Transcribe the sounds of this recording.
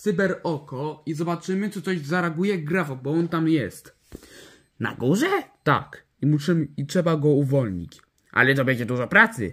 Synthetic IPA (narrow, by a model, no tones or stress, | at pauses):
t̪sɨbɛɾɔkɔizɔbat͡ʂɘmɘt͡ʂɨt̪sɔʑzaɾaɡujɛɡɾavɔbɔɔnt̪amjɛst̪ | na̰ɡuʐɛt̪a̰k | imuʂɘmɘitʂɛbaɡɔuvɔlɲḭt͡ɕ | ʔa̰lɛt̪ɔbʲɛɲd͡ʑɛd̪uʐɔpɾat̪sɘ̰